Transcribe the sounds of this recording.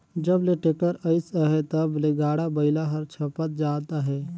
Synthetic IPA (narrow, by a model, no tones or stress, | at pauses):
d͡ʒəbleʈekəɾəɪsəɦɛt̪əbleɡaːɽabəɪlaɦəɾt͡ʃʰəpət̪̚d͡ʒaːt̪aɦɛː